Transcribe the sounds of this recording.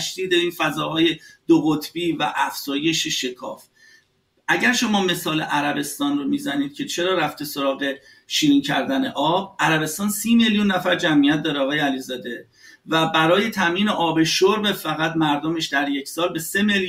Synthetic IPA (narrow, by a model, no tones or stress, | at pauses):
ʃd̪̥iːd̪eiːnfæzɒːɦɒːje̞d̪̥oɣot̪ʰb̥iːvæʔæfz̥ɒːje̞ʃeʃe̞kʰɒ̰ːf | ʔæɟæɾʃo̞mɒːme̞sɒːlḛʔæɾæbe̞st̪ɒːnromiːzæniːd̪̥̚cʲʰe̞t͡ʃʰe̞ɾɒːɾæft̪eso̞ɾɒːɣe̞ | ʃiːɾiːŋcʰæɾd̪æne̞̰ʔɒːb̥̚æɾæbe̞st̪ɒːnsiːme̞ljunːæfæɾd͡ʒæmʔijæt̪̚d̪ɒːɾeɒːɣɒːjeælizɒːd̪e̞ | væbæɾɒːje̞t̪ʰæmjiːneʔɒːbe̞ʃoɾbefæɣæt̪mæɾd̪ome̞ʃd̪æɾje̞cʰsɒːlbe̞se̞mel